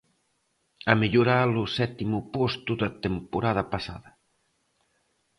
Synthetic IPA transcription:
ameʎuɾalʊsɛt̪imʊpost̪uðɐt̪empoɾaðɐpasa̰ðɐ

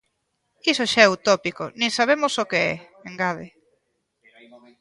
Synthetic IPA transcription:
isoʃaɛut̪ɔpiko̰nẽŋsaβ̞emʊsokeɛ̰ | eŋɡað̞e

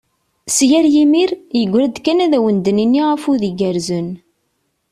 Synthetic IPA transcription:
sjæɾjimiɾjəɡʷːɾæd̪kːænæðæwənd̪əninːiʁəfuðiɡæɾzən

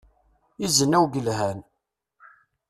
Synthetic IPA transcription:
izənːæwɡəlhæn

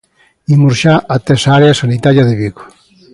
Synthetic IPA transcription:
imuɾʃaʔat̪esaaɾeasanit̪aɾjaðeβiɣo̥

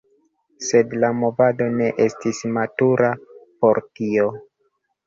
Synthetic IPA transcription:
se̞dlamo̞vado̞ne̞ʔestismatuɾapo̞ɾtio

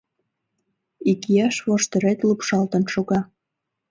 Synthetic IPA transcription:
ikijɑʃβoʃt̪ə̆ɾet̪lupʃɑlt̪ə̆nʃoɣɑ

